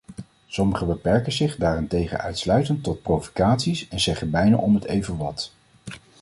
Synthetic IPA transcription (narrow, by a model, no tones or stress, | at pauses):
sɔməχəbəpɛɹkənzɪχdaːrɪntejχə̰nœ̰ɥtslœɥtəntɔt̚provo̥kaːtsisɛnzɛχənbɛjna̰ʔɔmətejvənʋɑt